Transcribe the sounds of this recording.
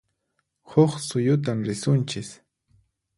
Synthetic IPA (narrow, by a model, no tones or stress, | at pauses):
hoχsʊjʊt̪̬amɾɪsʊnt͡ʃɪs